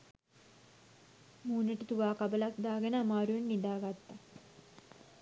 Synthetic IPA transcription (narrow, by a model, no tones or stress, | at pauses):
muːnəʈət̪uʋaːkabəlakd̪aːɡenəamaːɾuenːid̪aːɡat̪ːa